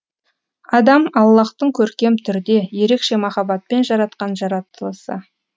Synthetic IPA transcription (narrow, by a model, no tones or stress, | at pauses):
ɑd̪ɑmɑlˠːɑqt̪əɴkʲʰɵɾkʲe̞mt̪ʰʏɾɪd̪e̞je̞ɾe̞kʃe̞mɑχɑbɑt̪̚pe̞nʒɑɾɑt̪qɑnʒɑɾɑt̪ːəlˠəsə̰